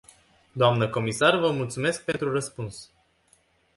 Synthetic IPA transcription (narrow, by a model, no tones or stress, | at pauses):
d̪oamnəko̞misarvəmult̪sume̞sk̚pe̞nt̪ɾurəspuns